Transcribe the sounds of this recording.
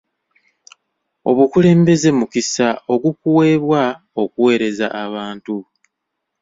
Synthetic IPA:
o̞̰βukule̞ːmbe̞ze̞mukisaʔo̞ɡukuwe̞ːβwa | o̞kuwe̞ːɾe̞zaʔːβaːntu

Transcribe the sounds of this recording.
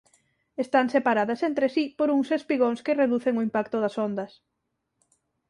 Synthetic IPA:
est̪aŋsepaɾaðɐsent̪ɾesipoɾuŋsespiɣoŋskereðuθeŋoimpakt̪ʊðɐsond̪ɐs

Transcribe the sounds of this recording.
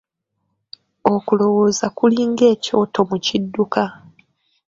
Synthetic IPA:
o̞kulo̞wo̞ːzakuliːŋɡe̞ːco̞ːto̞mucidːuka

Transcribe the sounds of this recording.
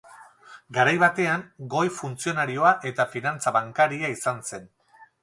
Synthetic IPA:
ɡaɾajβat̪e̞aŋɡo̞jfunt͡sio̞naɾio̞aʔe̞t̪afinant͡saβaŋkaɾiaisanse̞n

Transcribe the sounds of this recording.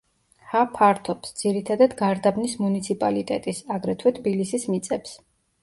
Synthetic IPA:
hapʰaɾt̪ʰɔpsd̪z̥iɾit̪ʰad̪ad̪ɡaɾd̪abnismunit̪sʰipʼalit̪ʼɛt̪ʼisaɡɾɛt̪ʰwɛt̪ʰbilisismit̪sʼɛps

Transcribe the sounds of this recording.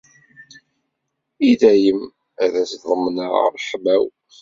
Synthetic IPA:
iðæjəm | æðæsðˤəmːnəʁ̰ɾˤħmæw

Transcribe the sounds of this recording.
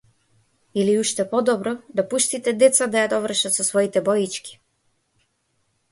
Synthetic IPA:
iliuʃt̪ɛpɔd̪ɔbɾɔd̪apuʃt̪it̪ɛd̪ɛt̪sad̪ajad̪ɔvr̩ʃat̪sɔsvɔit̪ɛbɔjit͡ʃkʲi̥

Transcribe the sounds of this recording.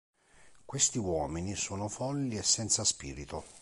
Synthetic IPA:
kwest̪iwɔːminisoːnofɔlːiesːɛnt̪saspiːɾit̪o

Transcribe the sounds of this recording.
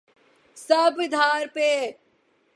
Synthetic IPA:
sɐbʋɪd̪ʱaːɾpeː

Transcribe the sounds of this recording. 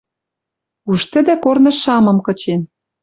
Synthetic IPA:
uʃt̪ə̆d̪ɘ̆kornɤ̆ʃɑmɤ̆mkɤ̆t͡ɕen

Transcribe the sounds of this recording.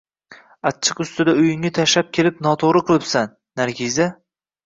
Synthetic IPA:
at̪̚t͡ʃʰːɨqʊst̪ɪd̪aʊjɪŋat̪ʰaʃap̚kʲʰe̞lɪpn̪ɒt̪ʰoɾɨqʰɨlˠɪpsanːaɾɡʲiza

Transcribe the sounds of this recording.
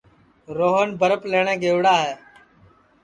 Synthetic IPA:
ɾoːɦənbʱəɾəpleːɳẽːɡeːʋɽaːɦeː

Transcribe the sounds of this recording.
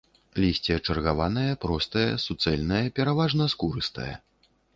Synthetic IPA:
lʲisʲt͡sʲiɐt͡ʂɐrɣavanɐjɐpɾɔst̪ɐjɐ̰sut̪sɛlʲnɐjɐpʲɛɾavaʐnɐskuɾɨst̪ɐ̰jɛ̰

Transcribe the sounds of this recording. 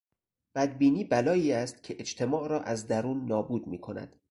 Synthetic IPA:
b̥æd̪biːniːbælɒːiːæst̪̚cʲʰeʔet͡ʃt̪ʰe̞mɒːʔɾɒːʔæzd̪æɾuːnːɒːbuːd̪miːkʰo̞næ̰d̪̥

